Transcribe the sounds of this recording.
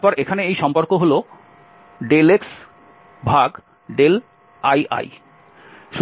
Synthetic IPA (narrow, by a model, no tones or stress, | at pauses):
pɔɾʔekʰaneejʃɔmpoɾkoɦolo | ɖeleks | bʱaɡ | ɖel | ajʔa̰j | ʃ